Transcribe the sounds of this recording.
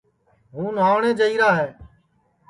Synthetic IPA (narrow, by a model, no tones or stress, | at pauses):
ɦũːnaːʋɳẽːd͡ʒəiːɾaːɦɛː